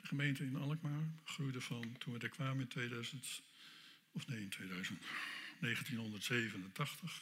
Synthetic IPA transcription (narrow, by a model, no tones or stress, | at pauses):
dəχəmejntəɪnɑlˠəkmaːɹχrujdəvɑntʰunədɛkʋaːmɪntʋejdœɥzənt | ɔfnejɪntʋejdœɥzəntnejχəntinɦɔndəɹtsejvənəntɑχtəχ